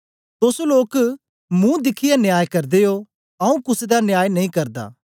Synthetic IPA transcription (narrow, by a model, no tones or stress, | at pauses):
t̪ʊsoloːk | mũd̪ɪkʰɪjanjaːjkɐɾd̪eo | ɐũkʊsd̪anjaːjnɐɦĩkɐɾd̪a̰ː